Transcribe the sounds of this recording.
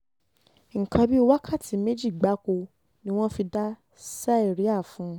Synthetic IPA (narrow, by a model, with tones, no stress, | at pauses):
ŋ̩˨kã˧bi˦o˧wa˦kʰa˦˨tʰi˨˦me˦d͡ʒi˦˨ɡ͡ba˨˦ko˧ | nĩ˦w̃ɔ̃˦fi˧da˦ | sa˦i˦˨ɾi˨˦a˦˨fũ˨˦